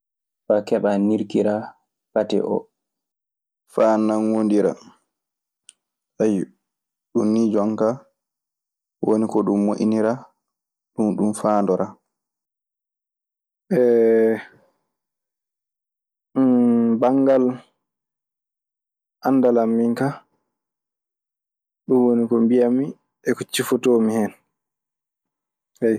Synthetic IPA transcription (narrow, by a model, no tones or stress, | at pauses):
fakɛɓaniɾkiɾa | patɛ̰ʔɔ̰ | fanːanwondiɾa̰ | saj | ɗunːid͡ʒɔŋka | wonikɔɗumːoʔiniɾa | ɗunɗumfaːndɔɾa | ʔɛ | baŋɡal | ʔanːdalamːiŋka | ɗumwonikɔmbijami | ɛkɔt͡ʃːifɔtomihɛn | saj